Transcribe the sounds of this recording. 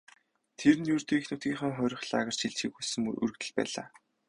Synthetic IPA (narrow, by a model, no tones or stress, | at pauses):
t̪ʰernjɵrt̪ɵ̆ːixnut̪ɡiːŋχə̆ŋχœːɾʲɪ̆χɮa̰ːɣə̆r̥t͡ɕʰiɮt͡ɕxiːkusɘ̆ŋʔɵ̰ɾɵ̆kt̪ɘ̆ɮpæ̰ːɮa̰ː